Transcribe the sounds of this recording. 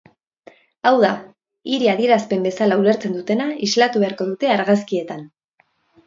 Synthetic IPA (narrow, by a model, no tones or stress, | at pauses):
awða | iɾiaðie̞ɾaspe̞mbe̞salaule̞ɾt͡se̞nd̪ut̪e̞naizlat̪uβe̞aɾko̞ðut̪e̞aɾɣas̬kie̞t̪an